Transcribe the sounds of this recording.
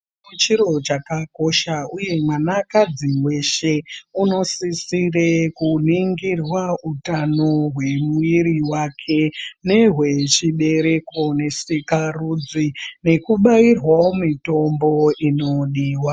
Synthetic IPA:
ut͡ʃiɾo̞t͡ʃakako̞ʃauje̞mwanakad͡ziwe̞ʃe̞uno̞sisirekuniŋɡirwautano̞ɦwe̞muiɾiwakʰe̞ne̞ɦwe̞t͡ʃiɓe̞ɾe̞ko̞ne̞sikarud͡zine̞kuɓairwaomito̞mbo̞ino̞ɗiːwa

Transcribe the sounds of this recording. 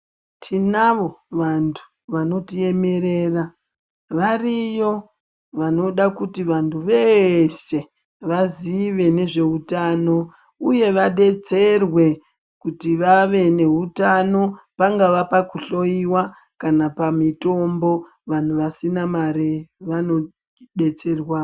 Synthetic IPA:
tʰinaʋo̞ʋantʰu̥ | ʋano̞tie̞me̞ɾe̞ːra | ʋarijo̞ | ʋano̞ɗakutiʋantʰuʋe̞ʃe̞ | ʋaziʋe̞ne̞ʐe̞utaːno̞ | uje̞ʋaɗe̞t͡se̞rwe̞ | kutiʋaʋe̞ne̞ɦutano̞ | paŋɡaʋapakuɬo̞iwa | kanapamito̞mbo̞ | ʋan̤uʋasinamaɾeʋano̞ | ɗe̞t͡se̞rwaː

